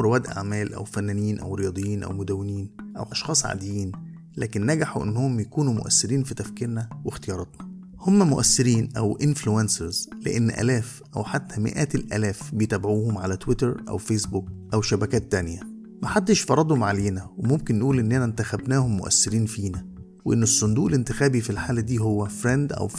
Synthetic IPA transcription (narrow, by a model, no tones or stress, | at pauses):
ɾowæːd̪ʔa̰ʕmæːlʔæ̰wfænːæːniːnʔæ̰wɾejɑːd̪ˤejːiːnʔæ̰wmod̪æwːeniːnʔæ̰wʔɑʃxɑːsˤʕa̰ːd̪ejiːn | læːkenːæɡaħuʔḛnːohomːjækuːnumo̰ʔæ̰sːɪɾiːnfit̪æfkiːɾnæwext̪ejɑːɾˤɑt̪nɑ | homːæmoʔæsːɪɾiːnʔæwʔɪnfluænseɾzlḛʔenːʔæ̰læːf | ʔæwħat̪ːæmɪ̰ʔæːt̪elʔæ̰læːfbejet̪æːbʕuːhomʕalæt̪wɪt̪eɾʔæ̰wfeːsbuk̚ʔæwʃæbækæːt̪ːænjæ | mæħad̪ːeʃfɑɾˤɑd̪ˤhomʕaleːnæwemomkenːʔuːlʔenːænænt̪æxæbnæːhomːo̰ʔæ̰sːɪɾiːnfiːnæ | weʔenːesˤːond̪uːʔelent̪ɪxæːbifilħaːlæd̪iːɦowːæfɾend̪ʔæ̰w